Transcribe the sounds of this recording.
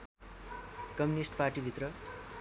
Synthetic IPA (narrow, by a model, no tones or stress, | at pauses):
kʌmjunisʈparʈibʱit̪rʌ